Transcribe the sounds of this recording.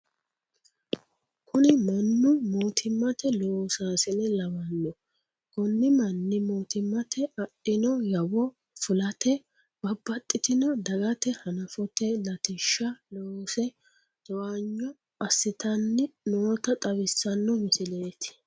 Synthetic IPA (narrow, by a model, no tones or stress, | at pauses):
kʰʊnɪmɐnːʊmoːt̪ʰɪmːɐt̪ɛloːsaːsɪnɛlɐwɐnːɔ | ɡɔnːɪmɐnːɪmoːt̪ɪmːɐt̪ʰɛɐɗːɪnɔjɐwɔ | fʊlɐt̪ɛ | b̥ɐbːɐt̪ʼːɪt̪ɪnɔd̪ɐɡɐt̪ɛhɐnɐfɔt̪ɛlɐt̪ɪʃːɐloːsɛ | d̪̥ɔwaɲːɔ | ɐsːɪt̪ɐnːɪnoːt̪ɐt̪ʼɐβɪsːɐnːɔmɪsɪleːt̪ɪ̥